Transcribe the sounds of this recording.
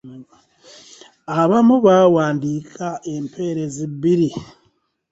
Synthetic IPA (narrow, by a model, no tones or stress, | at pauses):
aβamuβawaːndiːkʰaʔe̞mpʰeɾeziβiɾi